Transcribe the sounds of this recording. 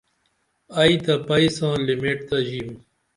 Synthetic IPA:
ɐit̪ɐpɐisãːlimeːʈ̚t̪ɐʑiːm

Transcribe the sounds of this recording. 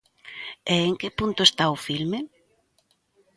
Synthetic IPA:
eːŋkɪpunt̪oest̪aʊfilme

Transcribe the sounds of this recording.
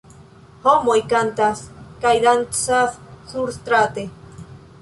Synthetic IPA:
homojkant̪askajd̪ant̪safsuɾst̪ɾat̪e

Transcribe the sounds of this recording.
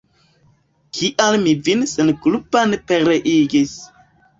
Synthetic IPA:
kʰiʔalmivinsenklupanpeɾeʔiɡis

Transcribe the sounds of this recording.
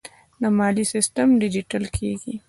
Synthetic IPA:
namaːlisɪsʈəmɖɪd͡ʒiʈɐlkʰeːɡi

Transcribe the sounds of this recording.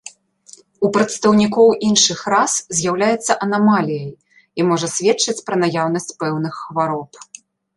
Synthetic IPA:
upɾɐt̪st̪ɐwnʲikɔwʔinʂɨxɾaszʲjawlʲajɛt̪sːɐʔɐnamalʲijɐj | imɔʐɐsʲvʲɛt͡ʂːɐt͡sʲpɾɐnajawn̪ɐsʲt͡sʲpɛwn̪ɨxːvaɾɔp

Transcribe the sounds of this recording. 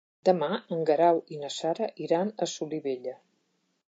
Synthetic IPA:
d̪əmaəŋɡəɾawinəsaɾəʔiɾanəsuliβeʎə

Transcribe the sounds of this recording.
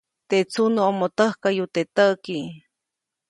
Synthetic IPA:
t̪et͡sʰunəomot̪əhkajut̪et̪əki

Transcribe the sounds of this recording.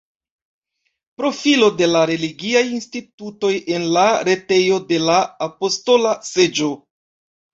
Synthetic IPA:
pɾo̞filo̞de̞laɾe̞liɡiajinstituto̞je̞nlaɾe̞te̞jo̞de̞laːpo̞sto̞lase̞d͡ʒo̞

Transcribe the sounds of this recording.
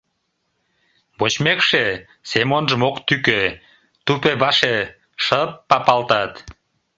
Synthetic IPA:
bot͡ɕmekʃe | semonʒəmokt̪ykø | t̪upebɑʃe | ʃəpːɑpɑlt̪ɑt̪

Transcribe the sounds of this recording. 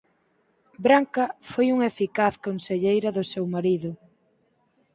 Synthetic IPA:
bɾaŋkɐfojuŋefikaθkonseʎejɾɐðʊsewmaɾiðʊ

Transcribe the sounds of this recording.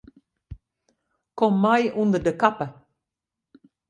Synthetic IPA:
kɔmːajʔund̪ədəkapə

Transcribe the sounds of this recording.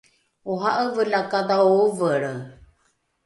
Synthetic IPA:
oɦaʔəvəlakad̪aovəɾə

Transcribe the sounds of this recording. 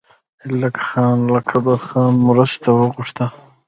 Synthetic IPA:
ɪlakxɑːnlakʰabaɾxɑːnmʊɾast̪awəɣuʂt̪a

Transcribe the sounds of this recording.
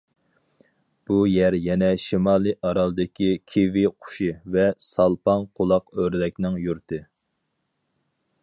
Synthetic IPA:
b̥ujɛɾjɛnɛʃimɑːlˠɨʔɑɾɑlˠɨd̪ɪkʲikʲʰeviqʰʊ̥ʃivɛsɑlˠpɑnqʰolˠɑqøɾlɛk̚ʲnɪŋjuɾt̪ʰɨ

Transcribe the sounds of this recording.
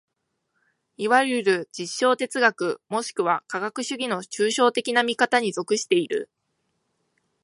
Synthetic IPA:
iβajɯɾɯ̟d͡ʑiɕːo̞ːt̪e̞t͡sɨɡakɯ̟mo̞ɕi̥kɯ̟βakaɡakɯ̟ɕɨɡʲino̞t͡ɕɨːɕo̞ːt̪e̞kʲinamʲikat̪aɲ̟izo̞kɯ̟ɕi̥t̪e̞iɾɯ̟̰

